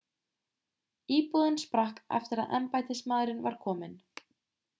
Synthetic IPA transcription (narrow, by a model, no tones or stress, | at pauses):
iːpuðʏnspɾahkɛ̰ft̪ʏɾa̰ðʔɛmpaːjt̪ɪsmaːðɾɪnvaɾ̥kʰɔːmɪn